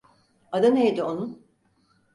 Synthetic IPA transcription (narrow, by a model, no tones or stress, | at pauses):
ad̪anejd̪ionun